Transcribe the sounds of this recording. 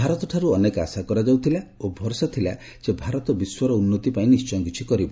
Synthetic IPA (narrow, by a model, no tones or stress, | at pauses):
bʱaɾɔt̪ɔʈʰaɾuɔneka̰sakɔɾad͡ʒawt̪ʰilaobʱɔɾsɔt̪ʰila̰ | sebʱaɾɔt̪ɔbiswɔɾɔunːɔt̪ipaĩnist͡ʃɔj̃ŋkit͡ʃʰikɔɾibɔ